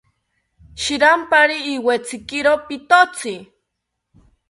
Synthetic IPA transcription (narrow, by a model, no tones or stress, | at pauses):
ʃiɾampaɾiːwet͡sikiɾopit̪ot͡si